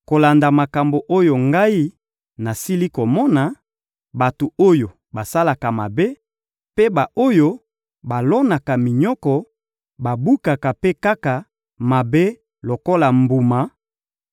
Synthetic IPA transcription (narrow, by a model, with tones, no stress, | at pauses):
ko˨la˨nda˨ma˨ka˨mbo˨ʔo˦jo˨ŋɡa˦i˦ | na˨si˦li˦ko˨mɔ˦na˨ | ba˨tu˨o˦jo˨ | ba˨sa˦la˨ka˨ma˨be˦ | pe˦ba˨o˦jo˦ | ba˨lɔ˦na˨ka˨mi˨ɲɔ˦kɔ˨ | ba˨bu˦ka˨ka˨pe˦ka˦ka˨ | ma˨be˦ | lo˨ko˦la˨mbu˨ma˨